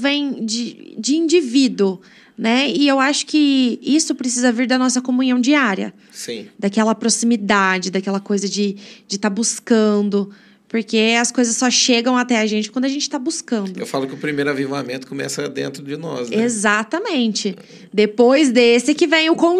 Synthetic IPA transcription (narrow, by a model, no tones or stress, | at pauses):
vẽj̃d͡ʒɪd͡ʒɪĩnd͡ʒivid̪uʊ | nɛɪewaʃʊ̥kɪisʊpɾesizɐviɾd̪ɐnɔsɐkomũɲiɐ̃w̃d͡ʒiaɾiɐ̰ | sĩd̪akɛlɐpɾosimid̪ad͡ʒɪd̪akɛlɐkojzɐd͡ʒɪd͡ʒɪt̪aɾbuskɐ̃nd̪ʊ | poɾkeɐskojzɐsːɔʃeɡɐ̃w̃at̪ɛɐʒẽnt͡ʃɪkwɐ̃nd̪ʊɐʒẽnt͡ʃɪ̥t̪abuskɐ̃nd̪ʊewwfalʊkɪʊpɾimejɾʊavivamẽnt̪ʊ̥komɛ̰sɐd̪ḛ̃nt̪ɾʊd͡ʒɪnɔ̰sezat̪ɐmẽnt͡ʃɪ | d̪epojzd̪esɪkɪvẽj̃ʊkõ